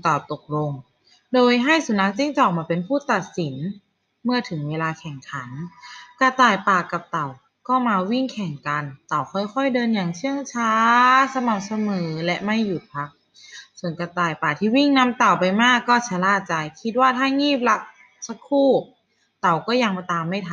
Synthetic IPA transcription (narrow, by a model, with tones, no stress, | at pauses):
t̪ɔ˨˩t̪o˨˩k̚lo˧ŋ | doː˧jɦa˥˩jsu˨˦na˧˦˥k̚t͡ɕi˧˥˩ŋt͡ɕɔː˨˩k̚maː˧pe˧˨npʰuː˥˩t̪a˨˩t̪̚si˩˦n | mɯ˥˩ət̪ʰɯ˨˩˦ŋweː˧laː˧kʰɛ˨˩ŋkʰa˨˩˦nka˧˩t̪aː˨˩jpaː˨˩ka˨˩p̚t̪a˨˩w | kɔː˧˥˩maː˧wi˥˩ŋkʰɛ˨˩ŋka˧nt̪a˨˩wkʰɔ˧˥˩jkʰɔ˧˥˩jdɤː˧nja˨˩ŋt͡ɕʰɯ˥˩əŋt͡ɕʰaː˦˥sa˧ma˨˩p̚sa˧mɤː˩˦lɛ˧˥ʔma˥˩jːu˨˩t̪̚pʰa˧˦˥k̚ | so˧˩ənka˧˩t̪aː˨˩jpaː˨˩t̪ʰiː˧˩wi˥˩ŋna˧˥mt̪a˨˩wpa˧jmaː˥˩kːɔː˧˥˩t͡ɕʰa˧laː˧˥˩t̪̚t͡ɕa˧jkʰi˧t̪̚waː˥˩t̪ʰaː˥˩ŋiː˥˩p̚la˧˥k̚ | sa˧kʰuː˥˩ | t̪a˨˩wkɔː˥˩ja˧ŋbt̪aː˧mːa˥˩jt̪ʰa˧